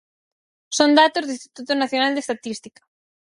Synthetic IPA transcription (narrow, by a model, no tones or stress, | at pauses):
sond̪at̪ozðist̪i̥t̪ut̪onaθjonald̪est̪at̪ist̪ikɐ̥